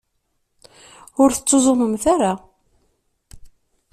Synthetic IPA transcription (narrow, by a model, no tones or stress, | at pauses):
ʊɾθət͡sːozˤoməmθaɾa